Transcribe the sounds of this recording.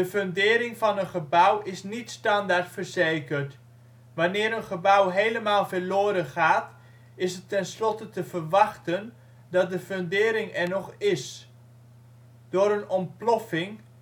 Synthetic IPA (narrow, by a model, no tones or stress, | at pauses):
dəføndɪːɾɪŋvɑnənχəbʌwɪsnitstɑndaɹtfəɹzejkəɹt | ʋɑnɪːɾənχəbʌwɦejləmaːlˠvəɹlʊːɾənχaːt | ɪsətːɛnslɔtətəvəɹʋɑχtən | dɑt̚dəføndɪːɾɪŋɛɹnɔχɪs | doːɾənɔmplɔfɪŋ